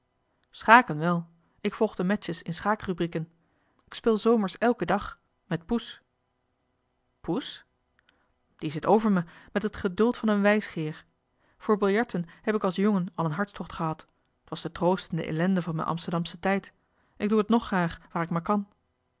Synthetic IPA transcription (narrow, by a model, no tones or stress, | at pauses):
sχaːkənʋɛlˠ | ɪkfɔlˠχdəmɛt͡ʃəsɪnsχaːkrybrikən | ɪkspɪːlˠzowməɹsɛlˠkədɑχ | mɛt̚pus | pus | d̥izɪtowvəɹməmɛtɦətχədɵlˠtfɑnənʋɛjsχɪːɹ | v̥ʊːɹbɪlˠjɑɹtənhɛpɪkɑlˠsjoŋənɑlˠənɦɑɹtstɔχtχəɦɑt | tʋɑsdətrowstəndə̰ʔḛlɛndəvɑnmɛ̰nʔɑ̰mstəɹdɑmsətɛjt | ɪɡ̚duɦətnɔχːraːχʋaːɹɪkmaːɹkɑn